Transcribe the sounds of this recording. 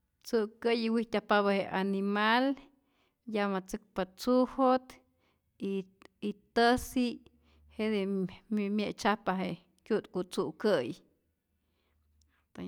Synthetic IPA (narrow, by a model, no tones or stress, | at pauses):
t͡sukəjiwiht̪ʲapaβaheʔanimal | jamat͡sɨk̚pat͡suhot̪ | iː | t̪əsi | heʔd̪emmjeʔt͡ʃapaɦe | kʲjut̪kut͡suʔkəj | t̪a